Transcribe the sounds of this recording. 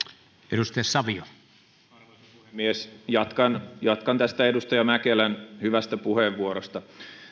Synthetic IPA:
eɾust̪esɑʋio | ɑrʋo | puhemːiesjɑt̪kɑnjɑt̪kɑnt̪æst̪æedust̪ɑjɑmækelænhyʋæst̪æpuheʋːuoɾost̪ɑ

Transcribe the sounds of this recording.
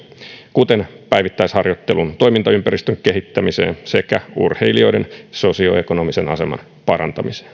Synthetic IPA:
kut̪en | pæjʋit̪ːæishɑrjot̪ːelunt̪o̞jmint̪ɑympærist̪øŋkehit̪ːæmise̞̰ːnse̞kæurheilio̞jdenso̞sio̰ekonomisenɑ̰se̞mɑ̰n | pɑɾɑ̰nt̪ɑmise̥ːn

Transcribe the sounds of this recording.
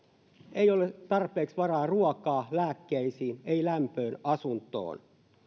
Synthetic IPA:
eijolet̪ɑrpeːksʋɑrɑːruɔkɑːlæːkːeisiːneilæmpøːnɑsunt̪o̰ːn

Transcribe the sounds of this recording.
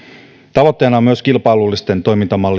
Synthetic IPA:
t̪ɑʋot̪ːejnɑomyøskilpɑjlulːist̪e̞nt̪o̞jmint̪ɑmɑlː

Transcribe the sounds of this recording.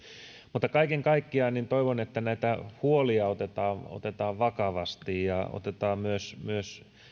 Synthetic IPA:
mut̪ːɑkɑikeŋkɑikːiɑːnint̪oiʋonet̪ːænæit̪æhuoliɑot̪et̪ɑːo̰t̪et̪ɑːʋʋɑkɑʋɑst̪ijjɑo̰t̪et̪ɑːmyøsmyøs

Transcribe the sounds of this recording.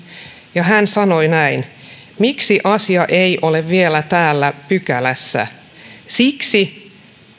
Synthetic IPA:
jɑɦænsɑnoinæin | miksiʔɑsiɑʔeiʔoleʋʋielæt̪æːlːæpykælæsːæ̰ | siksi

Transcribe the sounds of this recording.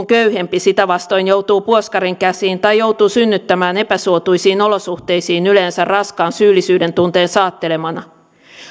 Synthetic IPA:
ŋkøyhe̞mpisit̪æʋɑst̪o̞jnjowt̪uːpuoskɑɾiŋkæsiːnt̪ɑjjouwt̪uːsynːyt̪ːæmæːne̞pæsuot̪ujsiːno̞losuht̪e̞jsiːnyleːnsærrɑskɑːnsyːlːˑisyːde̞nt̪unt̪e̞ːnsɑːt̪ːe̞le̞mɑnɑ

